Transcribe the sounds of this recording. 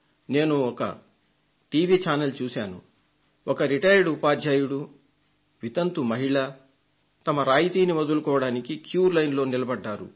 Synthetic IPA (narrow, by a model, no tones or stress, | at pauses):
ne̞ːnuɔkɐ̰ | ʈiːʋiːt͡ʃaːnɐlt͡ʃuːsaːnṵ | ɔkɐɾiʈɐjɾɖupaːd͡ʒjaːjuɽu | ʋit̪ɐnt̪umɐɦiɭa | t̪ɐmɐɾaːjit̪iːniʋɔd̪ulukɔːʋɐɽaːnikikjuːɾlɐjnlo̞ːnilɐbɐɖːaːɾṵ